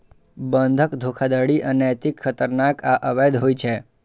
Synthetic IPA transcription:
bənd̪ʱəkd̪ʱokʰad̪əɽiʔənet̪ikʰːət̪əɾnakaʔəʋad̪ɦojt͡ʃʰe

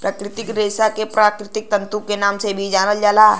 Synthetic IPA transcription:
pɾaːkɾɪt̪ɪkɾeːsakepɾaːkɾɪt̪ɪk̚t̪ɐ̃nt̪ukenaːmsebʱid͡ʒaːnəld͡ʒaːlaː

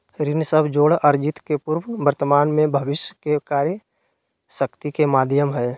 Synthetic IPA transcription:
ɾɪnsəbʱd͡ʒoːɽəɾd͡ʒɪt̪kepʊɾwbəɾt̪əmaːnmẽbʱəʋɪʃjəkekaːɾjə | ʃəkt̪ikemaːd̪ʱjəmɦɛː

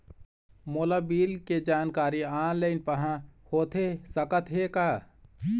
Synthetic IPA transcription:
moːlabiːlked͡ʒaːnkaːɾiaːnleɪnpəɦãhoːt̪ʰesəkət̪ɦekaː

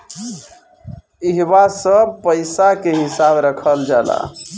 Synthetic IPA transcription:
iɦbasəb̚pəjsakeɦisabɾəkʰəld͡ʒala̰

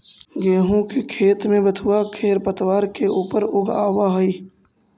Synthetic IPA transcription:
ɡeːɦõkekʰeːt̪mẽbət̪ʰuakʰeːɾpət̪waːɾkeʔuːpəɾʊɡa̰ːwaɦəiː

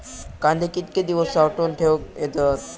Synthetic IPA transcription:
kand̪ekit̪̚ked̪iʋosawʈonʈ̪ʰewed̪ə

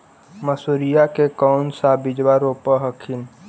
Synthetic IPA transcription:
məsuːɾijakekɔʊnsabɪd͡ʒwaɾoːpəɦəkʰɪn

